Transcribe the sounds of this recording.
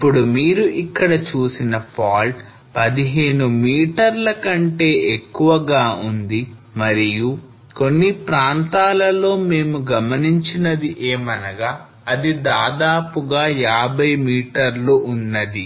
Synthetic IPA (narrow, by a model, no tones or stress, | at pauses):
iipːuɽumiːɾuʔikːɐɽɐt͡ʃuːsinɐpʰaːlʈ | pɐd̪iɦe̞ːnumiːʈɐɾlɐkɐɳʈe̞ːekːuʋɐɡaːund̪i | mɐɾiju | ko̞nːipɾaːnt̪aːlɐlo̞ːme̞ːmuɡɐmɐniɲt͡ʃinɐd̪iʔeːmɐnɐɡaː | ɐd̪id̪aːd̪aːpuɡaːjaːbɐjmiːʈɐɾluʔːnːɐd̪i